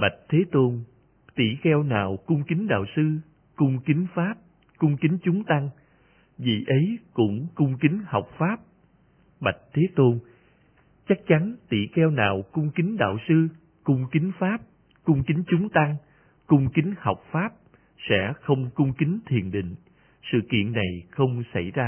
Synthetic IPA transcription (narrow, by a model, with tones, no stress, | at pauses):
ɓa˨˩jk̚t̪ʰe˨˦t̪o˧n | t̪ḭ˧˩xɛ˧wnaː˨˩wkʊ˧ŋ͡mkï˨˦ŋɗa̰ː˧˨wsɨ˧ | kʊ˧ŋ͡mkï˨˦ŋ̟faː˦˥p̚ | kʊ˧ŋ͡mkï˨˦ŋt͡ɕʊ˨˦ŋ͡mt̪a˧ŋ | vḭ˨˩ʔə˨˦jkʊ̰˧˥ŋ͡mkʊ˧ŋ͡mkï˨˦ŋ̟hɔ˨˩wk͡p̚faː˦˥p̚ | ɓa˨˩jk̟̚t̪ʰe˨˦t̪o˧n | t͡ɕa˦˥k̚t͡ɕa˨˦nt̪ḭ˧˨xɛ˧wnaː˨˩wkʊ˧ŋ͡mkï˨˦ŋ̟ɗa̰ː˧˨wsɨ˧ | kʊ˧ŋ͡mkï˨˦ŋ̟faː˦˥p̚ | kʊ˧ŋ͡mkï˨˦ŋt͡ɕʊ˨˦ŋ͡mt̪a˧ŋ | kʊ˧ŋ͡mkï˨˦ŋ̟hɔ˨˩wk͡p̚faː˦˥p̚ | sɛ̰˧˥xə˧wŋ͡mkʊ˧ŋ͡mkï˨˦ŋt̪ʰḭ˧˨ənɗḭ̈˧˨ŋ̟ | sɨ̰˧˨kḭ˧˨ənːa˨˩jxə˧wŋ͡msa˧˩jzaː˧